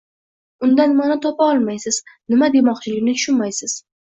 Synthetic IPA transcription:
ʊnd̪anmanat̪ʰɒpaɒlˠmajsɪznɪmad̪e̞mɒqt͡ʃʰɪlɪɡʲnɪt̪ʰʊ̥ʃʊnmajsɪz̥

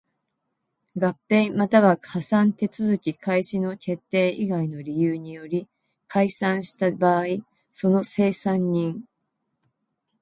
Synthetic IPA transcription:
ɡapːẽ̞mat̪aβahasãnt̪e̞t͡sɨzɨkʲikʰaiɕino̞kʲʰe̞t̪ːe̞ːʔiɡaino̞ɾʲijɯːɲ̟ijo̞ɾʲi | kʰaisãɰ̃ɕi̥t̪abaːi | so̞no̞se̞ːsãɲ̟ːĩŋ

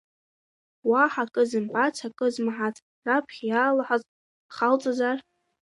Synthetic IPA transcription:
waħakʼɨzɨmpʼat͡sʰakʼɨzmaħatʰʼ | rapʰχʲjaːlaħaz | χalt͡sʼazar

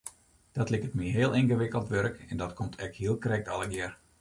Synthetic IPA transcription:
d̥ɔtlɪkətmiɦeəlˠʔɪnɣəʋɪkəlˠtʋøɾəkɛndɔtkʰomtʰɛkhiəlˠkrɛk̚tɑlˠəɡɪər

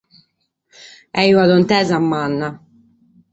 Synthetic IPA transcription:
ɛiuaðɔnt̪ɛːzamːanːa

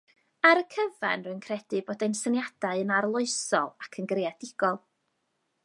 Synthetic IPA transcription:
aɾəkʰəva̰nrɨnkʰrɛd̥ɨboːdejnsənjad̥aɨənarlˠʊɨsɔ̰lˠakʰənɡrjadɪɡ̥ɔlˠ

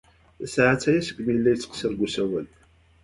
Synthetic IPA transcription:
sʕat͡sːæjæsə̥ɡʷmijəlːæjət͡sːqsəɾɡusæwæl

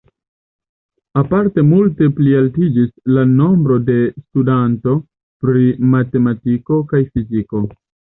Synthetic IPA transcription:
apaɾte̞multe̞plialtid͡ʒislano̞mbɾo̞de̞studanto̞ | pɾimate̞matiko̞kajfiziko̞

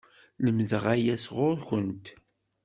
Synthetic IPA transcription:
ləmðəʁæjæsʁʊɾçənt̪

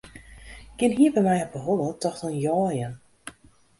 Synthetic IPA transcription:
kɪnɦiəbɛjmɛjɔp̚əɦɔlətɔxtɔnjɔːjən

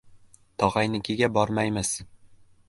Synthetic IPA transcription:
t̪ʰɒʁɑjnɪkʲʰiɡʲabɒɾmajmɪz

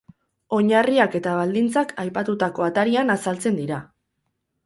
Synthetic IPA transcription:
o̞ɲariake̞t̪aβ̞ald̪int͡sakajpat̪ut̪ako̞at̪aɾianasalt͡se̞nd̪iɾa

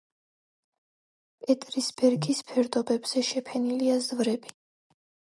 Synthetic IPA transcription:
pʼɛt̪ʼɾisbɛɾɡispʰɛɾd̪ɔbɛbz̥ɛʃɛpʰɛniliazvɾɛbi

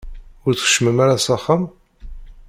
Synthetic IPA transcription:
ʊɾt͡sə̥χə̥ʃməmaɾasɑχːam

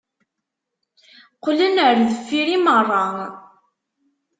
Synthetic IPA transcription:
qlənəɾðəfːiɾimərˤːɑ

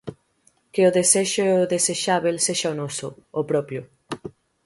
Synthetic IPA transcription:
keoðeseʃoðeseʃaβelseʃaonɔsoopɾɔpjo

